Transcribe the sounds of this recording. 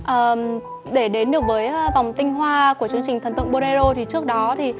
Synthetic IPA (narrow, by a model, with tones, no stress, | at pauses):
ʔəː˨˩ | ɗe˧˩ɗe˨˦nɗɨ˨˩ək̚vəː˨˦jva˨˩wŋ͡mt̪ï˧ŋ̟ɦwaː˧ku˧˩ət͡ɕɨ˧˦əŋt͡ɕï˨˩ŋt̪ʰə˨˩nt̪ɨ̰˧˨ŋɓo˧ɾe˧zo˧t̪ʰi˨˩t͡ɕɨ˦˥ək̚ɗɔ˨˦t̪ʰi˨˩